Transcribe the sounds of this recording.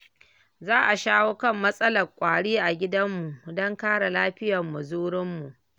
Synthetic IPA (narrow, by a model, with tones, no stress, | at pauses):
zaː˦ʔa˨ʃaː˦woː˦kɐ˦˨mːɐ˦sʼɐ˦lɐ˨kʷʼaː˨ɽiː˦ʔa˨ɡʲɪ˦dɐ˦mːu˨ʔdɔ˦ŋkaː˦ɽa˨laː˦ɸɪ˦jɐ˨mːu˨zuː˦ɽɪ˦mːu˨ʔ